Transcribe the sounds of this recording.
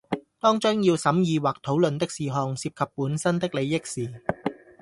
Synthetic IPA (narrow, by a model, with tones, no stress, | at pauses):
t̪ɔː˥ŋt͡ʃʊ˥ŋjiː˧wsɐ˨˥mjiː˨˧waː˨k̚t̪ʰo˨˥wlɵ˨nt̪ɪ˥k̚siː˨ɦɔː˨˧ŋsiː˧p̚kʰɐ˨pːuː˨˥nsɐ˥nt̪ɪ˥k̚le˨˧jːɪ˥k̚siː˨